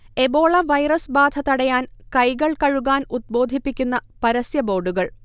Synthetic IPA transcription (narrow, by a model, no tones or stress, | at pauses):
e̞bo̞ːɭɐʋɐjrɐsbaːd̪ʱɐt̪ɐɽɐjaːnkɐjɣɐɭkɐɻuɣaːnud̪̚bo̞ːd̪ʱipːikʲːunːɐpɐɾɐsjɐbo̞ːɖuɣɐɭ